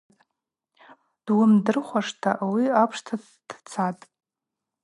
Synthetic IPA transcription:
d̥wʊmdɨrχʷaʂtʰaʔawiapʰʂtʰa | d̥t͡sʰatʼ

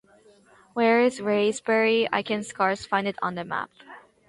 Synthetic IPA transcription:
wɛɹɪzɹeɪzbɛɹia̰ɪkʰɨ̃nskɑɹsfãɪ̃ndɨɾn̩ðɨmæ̰p̚

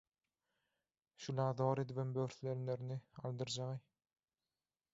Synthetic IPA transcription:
ʃulʲɑːðoːɾed̪iβembøɾθleɾneɾiniɑlˠd̪ɯɾd͡ʒɑʁɯ

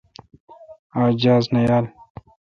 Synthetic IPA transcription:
aːd͡ʑaːznɐjaːl

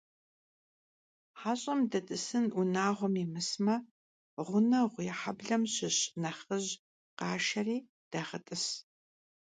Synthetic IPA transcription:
ħaːɕʼɐmdɐtʼɨsɨnʔʊnaːʁʷɔmimɨsmɐ | ʁʷʊnɐʁʷjħabɮɐmɕɪɕnɐχəʑ | qɑːʃɐriː | d̥ɐʁɐtʼɨs

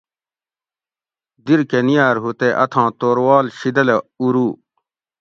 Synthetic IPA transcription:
d̪iɾkenijaːɾɦut̪eʔɐt̪ʰãːt̪oːɾwaːlɕid̪ɐleuɾuː

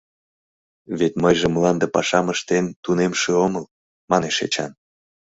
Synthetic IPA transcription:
βet̪məjʒĕmlɑnd̪əpɑʃɑməʃt̪ent̪unemʃĕoməl | mɑneʃḛt͡ɕɑ̰n

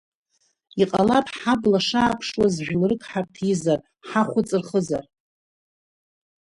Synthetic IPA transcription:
iqʼalapʰħablaʂaːpʰʂwazʒᶣlrɨkʰʼħartʰizar | ħaχʷʊt͡sʼɨrχəzar

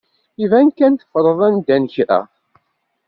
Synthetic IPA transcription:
ivænkænt̪ə̥fəɾˤəðˤænd̪ænçɾæ̰

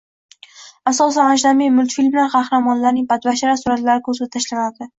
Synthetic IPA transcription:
asɒs̬anad͡ʒd̪amijmʊlt̪filʲmaɾqɑhɾamɒnlaɾnɪŋpʰat̪baʃaɾasʊɾat̪laɾɪkʰɵɾsat̪ʰːaʃlanad̪ɪ

